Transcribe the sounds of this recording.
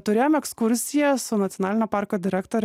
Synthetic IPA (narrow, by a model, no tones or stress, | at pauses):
t̪ʊɾʲeːjomɛkskʊɾʲsʲɪjɛsʊnɐt̪ʲɔnɑːlʲɪnʲoːpɑːɾkoːd̪ʲɪɾʲɛkt̪oɾʲ